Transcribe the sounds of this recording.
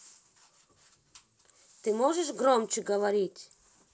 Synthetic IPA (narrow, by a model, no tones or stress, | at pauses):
t̪ɨmoʒəʃɡromt͡ɕəɡəvɐɾʲitʲ